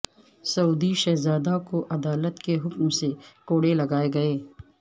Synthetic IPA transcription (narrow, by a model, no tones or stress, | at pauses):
sɐuːd̪iʃɛːzaːd̪akoʔɐd̪aːlət̪keɦʊkmsekoːɽelɐɡaːeɡɐeː